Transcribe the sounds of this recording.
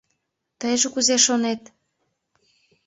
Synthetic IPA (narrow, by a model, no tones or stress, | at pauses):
t̪əjʒokuzeʃonet̪